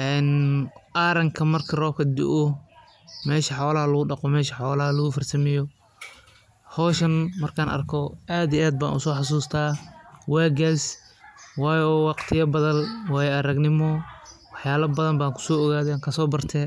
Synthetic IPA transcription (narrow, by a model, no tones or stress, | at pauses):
ʔɛːnʔaɾɐŋkʰɐmɐrkʰɐrɔːb̚kʰɐd̪ʊ̰ʔɔ | mɛːʃɐħɔːlɐɦɐlɐɣʊɖɑqɔmɛːʃɐħɔːlɐɦɐlɐɣʊfɐrsɐmɪjɔ | hɔːʃɐnmɐrkʰaːnʔɐ̰rkʰɔʔaːd̪iʔaːd̪̚ba̰ːnʊ̰sɔːħɑs̬uːst̪ʰaːwaːɡas | wɑːjɔːwɑqt̪ʰɪjɐbɐðɐlwɑːjɛʔɐɾɐɡnɪmɔwɑħjaːβɐbɐðɐmbaːŋkʰʊ̥sɔːɔɣaːðɛːŋkʰɐsɔːbɐrt̪ʰɛ